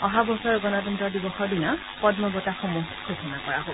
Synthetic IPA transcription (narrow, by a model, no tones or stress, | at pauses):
ɔɦabɔsɔɹɡɔnɔtɔntɔɹdibɔxɔɹdina | pɔdmɔɡɔtaxɔmuɦkʰosɔnakɔɹa̰ɦo